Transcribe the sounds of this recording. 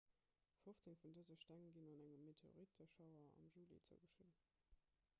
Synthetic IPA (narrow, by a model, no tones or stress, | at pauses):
foft͡seŋfundəzəʃtæŋəɡinɑnæŋəmːetʰeo̰ʁitəʃɑʊɐɑ̰mʒuːlḭt͡sə̰ɡəʃʁin